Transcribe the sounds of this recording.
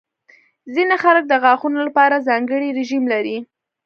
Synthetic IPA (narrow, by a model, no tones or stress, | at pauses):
zinəxalək̚d̪əɣɑxunolapɑɾazɑŋɡəɽiɾɪʒimlaɾi